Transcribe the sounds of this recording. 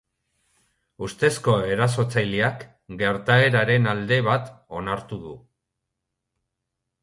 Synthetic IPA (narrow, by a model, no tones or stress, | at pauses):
ust̪e̞sko̞e̞ɾas̬o̞t͡sajliak | ɡe̞ɾt̪ae̞ɾaɾe̞nald̪e̞βat̪o̞naɾt̪uðu